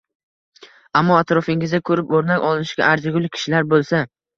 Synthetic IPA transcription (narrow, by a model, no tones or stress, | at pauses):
amːɒat̪ɾɒfɪŋɪzd̪akʰɵɾɪpoɾnakʲɒlˠɪnɪʃɡʲa̰ʔaɾd͡ʒɪɡʲʊlˠkʲʰɪ̥ʃɪlaɾbolˠsa